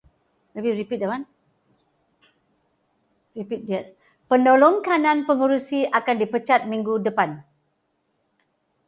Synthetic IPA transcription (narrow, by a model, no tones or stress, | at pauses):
məbiripit̪̚dəman | ripit̪̚dia | pəndolɔŋkanãnpəŋuɾusiʔakandipət͡ʃat̪̚mĩŋɡudəpan